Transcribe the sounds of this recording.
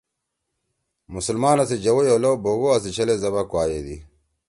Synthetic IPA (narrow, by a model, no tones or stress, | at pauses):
musulmanasid͡ʒawɔjɔlɔbɔɣɔas̬it͡ʃɛlɛzaβakwajeði